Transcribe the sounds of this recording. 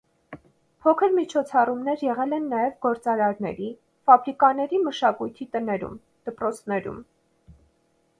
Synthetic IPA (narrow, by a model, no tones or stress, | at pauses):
pʰɔkʰəɾmit͡ʃʰɔt͡sʰɑrumnɛɾjɛʁɛlɛnːɑjɛvɡɔɾt͡sɑɾɑɾnɛ̰ɾi | fɑbɾikɑnɛɾiməʃɑkujt̪ʰit̪ənɛɾṵm | d̪̥əpɾɔt͡sʰnɛɾṵm